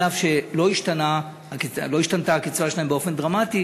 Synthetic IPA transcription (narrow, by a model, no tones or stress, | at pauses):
avʃe̞lo̞iʃtana | hakilo̞iʃtant̪aːkit͡svaʃelaembeo̞fe̞nd̪ʁamati